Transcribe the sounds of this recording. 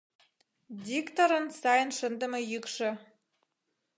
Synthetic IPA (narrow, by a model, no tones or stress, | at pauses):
d̪ʲikt̪oɾə̆nsɑjənʃə̆nd̪ə̆mɤ̆jykʃɘ̆